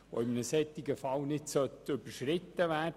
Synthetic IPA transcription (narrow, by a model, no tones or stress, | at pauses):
ʋo̰ɪmnəsɛt̪ːiɡəfɑlnɪtsœt̪ɵbəɾʃɾɪt̪ːəʋæːd